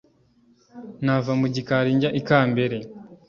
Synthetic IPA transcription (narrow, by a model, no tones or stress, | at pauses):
navamuɟikaɾiːɲɟaʔikaːmbe̞ɾe